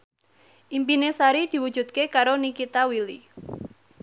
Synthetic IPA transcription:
ʔimpinesaɾid̪̥i̤wud̥d͡ʒ̥ṳd̪̚kekaɾonikit̪awili

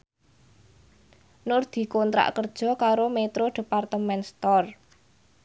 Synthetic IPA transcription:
nʊrd̪̥i̤kɔnt̪ɾa̰ʔkərd̥ʒ̥ɔ̤kaɾomet̪ɾoɖ̥e̤part̪əmɛnst̪ɔr

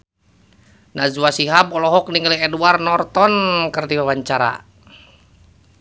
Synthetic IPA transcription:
nazuwasiɦabɔlɔɦɔk̚niŋəliɛduarnɔrt̪ɔnkərdiwawaɲt͡ʃaɾa̰

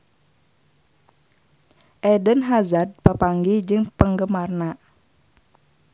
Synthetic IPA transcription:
ʔɛdənɦazad̚pəpaŋɡid͡ʒɨŋpəŋɡəmarna

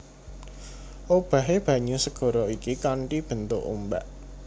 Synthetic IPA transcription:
ʔob̥ä̤ɦeb̥ä̤ɲusəɡ̥ɔ̤ɾɔikikaɳʈib̥ə̤nt̪ʊʔṵmba̰ʔ

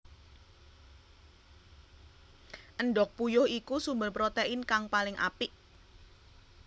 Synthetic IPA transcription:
ʔənɖɔk̚pujʊhikusumbəlpɾot̪eɪnkaŋpalɪŋʔa̰pɪʔ

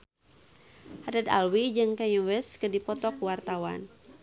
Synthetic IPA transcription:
hadad̪a̰lwid͡ʒɨŋkaɲuwɛskɨrdipɔt̪ɔkwart̪awa̰n

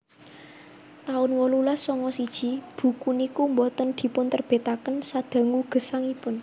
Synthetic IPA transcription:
t̪aʊnwɔlulasɔŋɔsid̥ʒ̥i̤b̥ṳkunikumbɔt̪ənd̪̥i̤pʊnt̪ərb̥e̤t̪akənsad̪̥ä̤ŋuɡ̥ə̤saŋipʊn

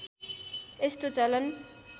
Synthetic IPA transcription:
est̪ot͡sʌlʌn

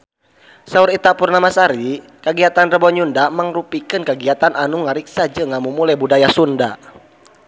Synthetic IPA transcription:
sauɾit̪apurnamasaɾi | kaɡiat̪anrəbɔɲundamaŋrupikɨnkəɡiat̪ananuŋaɾiksad͡ʒəŋamumulabudajasunda̰

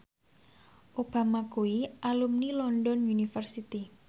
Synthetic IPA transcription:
ʔob̥a̤makuiʔalumnilɔndɔnunifərsit̪i

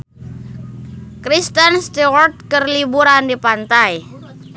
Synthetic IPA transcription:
kɾist̪ənst̪iwɔrt̪̚kərlibuɾandipant̪aj

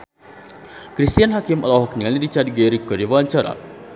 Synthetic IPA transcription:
kɾist̪ijanɦakiməlɔɦɔknialidit͡ʃadɡeɾikəɾiwaɲt͡ʃaɾa̰

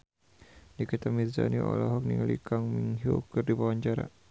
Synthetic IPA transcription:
dikit̪amiza̰niɔ̰lɔɦɔk̚nḭŋalḭkaŋmiŋɦukɨrdibawaɲt͡ʃaɾa̰

